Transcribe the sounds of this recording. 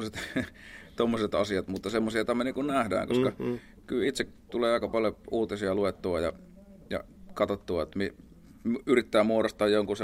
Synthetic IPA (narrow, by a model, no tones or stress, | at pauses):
set̪ | t̪omːoset̪ɑsiɑt̪mut̪ːɑsemːosiɑt̪æmːæniːŋkunnæhdæ̰ːŋkoskɑ | kylit̪sekt̪uleːɑˑikɑpɑljouːt̪isiɑluet̪ːuɑjɑ̰ | jɑ̰ | kɑt̪ot̪ːuɑet̪mi | yrit̪ːæːmuoɾost̪ɑːjjoŋkuse